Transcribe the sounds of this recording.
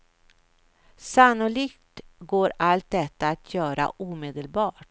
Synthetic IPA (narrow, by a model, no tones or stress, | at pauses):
sanːʊɭiːkt̪ɡoːɾalt̪̚d̪ɛt̪ːaːt̪ʰjœːɾa̰ʔuːmeːd̪əlbɑːʈ